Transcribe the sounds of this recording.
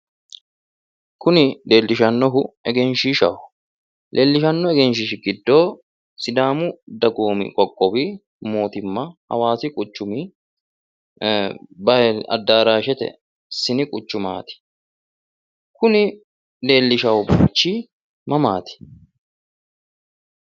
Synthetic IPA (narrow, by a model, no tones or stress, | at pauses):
kʰʊnɪle̞ːlːɪʃɐnːɔɦʊɛɡɛnʃiːʃɐw | lʔeːlːɪʃɐnːɔɛɡɛnʃ̬ɪʃɡɪd̪ːo̞ː | sɪd̪aːmʊd̪ɐɡoːmɪ̰kʼɔkʼːɔbi | mo̞ːt̪ɪmːɐhɐ̰waːsɪkʼʊt͡ʃːʊmi | bɐɐ̰d̪ːaːɾaːʃɛt̪ɛ̰ | sɪnɪkʼʊt͡ʃːʊma̰ːt̪ɪ̥ | kʊnɪ | le̞ːlːɪʃɐwbʊt͡ʃːiː | mɐmaːt̪ɪ̥